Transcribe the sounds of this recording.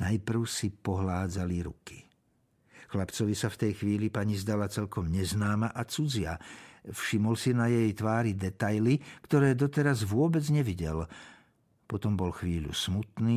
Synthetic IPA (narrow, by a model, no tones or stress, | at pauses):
najpr̩ʊsipɔɦlaːd͡zaliɾṵki̥ | xlapt͡sɔʋisaft̪ɛjxʋiːlipaɲizd̪alat͡sɛlkɔmɲɛznaːmaʔat͡sud͡zɪa̰fʃimɔlsinajɛjt̪ʋaːɾid̪ɛt̪ajlikt̪ɔɾɛːd̪ɔt̪ɛɾazʋʊɔbɛd͡zɲɛʋiɟɛl | pɔt̪ɔmbɔlxʋiːʎṵsmut̪niː